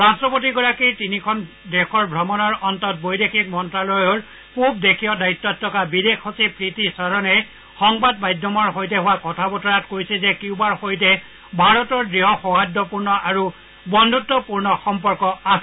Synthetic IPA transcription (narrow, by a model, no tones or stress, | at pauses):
ɹastɹɔpot̬iɡɔɹakitinikʰɔn | dekɔɹbʱɹɔmɔnɔɹɔntɔt̚bojdekʰik̚mɔntɹalɔjɔɹ | pupdekʰijɔdaitːɔtʰːɔkabidexhɔsipɹitisaɹɔnɛ | xɔŋbadbajdʱːɔmɔɹɦojtɛɦʊwakɔtʰabɔtɔɹatkojsɛzɛkiʊbaɹxojt̬ɛ | bʱaɹɔtɔɹdɹiɦɔxɔɦadɔpuɹnɔʔaɹu | bɔndʱutːɔpuɹnɔxɔmpɔɹkɔasɛ